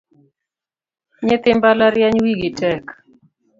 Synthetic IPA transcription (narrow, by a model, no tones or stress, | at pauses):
ɲɪt̪ɪmbalaɾjaɲwiɡitɛk